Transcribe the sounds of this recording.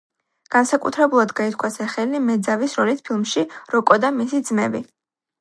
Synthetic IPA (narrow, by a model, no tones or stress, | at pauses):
ɡ̥ansakʼṵt̪ʰɾɛbulˠad̪ɡait̪ʰkʰwasɛχɛlimɛd̪zavisɾɔlit̪pʰilˠmʃiɾɔkʼɔd̪amisid̪zmɛbi